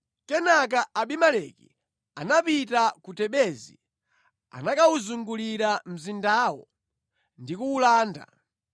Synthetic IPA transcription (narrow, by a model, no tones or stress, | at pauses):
kɛnak̬aaɓimalɛkḭ | a̰napitakutɛɓɛzḭ | a̰nakauzuŋɡuliɾam̩zindaːwɔ | ndikuːlaːnda̰